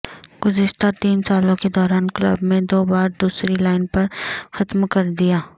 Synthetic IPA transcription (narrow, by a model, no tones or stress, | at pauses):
ɡ̥ʊzɪʃt̪at̪iːnsaːlõked̪ɔːɾaːnklɐ̰bmẽd̪oːbaːɾd̪uːsɾilaːɪnpɐɾxɐt̪mkɐɾd̪ijaː